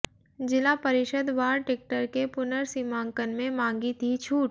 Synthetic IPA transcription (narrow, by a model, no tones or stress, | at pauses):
d͡ʒɪlapəɾɪʃəd̪ʋaːɾʈɪk̚ʈəɾkepʊnəɾsimãːŋkənmẽmãːŋɡit̪ʰit͡ʃʰuːʈ